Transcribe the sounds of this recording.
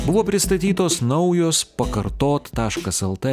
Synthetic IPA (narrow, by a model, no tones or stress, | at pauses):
bʊʋoːpʲɾʲɪst̪ɐt̪ʲiːt̪oːsnɐʊjoːspɐkɐɾt̪oːt̪ːɑːʃkɐsɛlˠt̪ɛ